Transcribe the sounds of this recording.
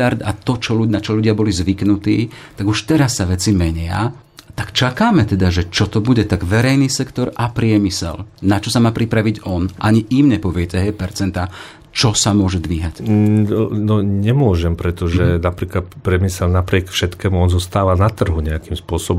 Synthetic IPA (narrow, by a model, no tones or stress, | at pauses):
aɾd̪at̪ɔt͡ʃɔlunat͡ʃɔʎuɟɪabɔlizʋiknut̪ḭːt̪aɡuʃt̪ɛɾasːaʋɛt͡simɛɲɪa̰ | t̪akt͡ʃakaːmɛt̪ɛd̪aʒɛt͡ʃɔt̪ɔbuɟɛt̪aɡʋɛɾɛjnisɛkt̪ɔɾapɾɪɛmisɛ̰lnat͡ʃɔsamaːpɾipɾaʋiɟɔnʔaɲiʔiːmɲɛpɔʋɪɛtɛɦɛjpɛɾt͡sɛnt̪a | t͡ʃɔsamʊɔʒɛd̪ʋiːɦac | nɔɲɛmʊɔʒɛmpɾɛt̪ɔʒɛnapɾiːklat̪pɾɪɛmisɛlnapɾɪɛkfʃɛt̪kɛːmuɔnzɔst̪aːʋanat̪r̩ɦuɲɛakimspʊɔsɔbɔm